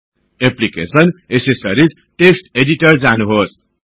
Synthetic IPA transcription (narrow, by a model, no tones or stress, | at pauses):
eplikḛsʌnesesʌɾid͡z | ʈesʈeɖiʈʌrd͡zanuɦos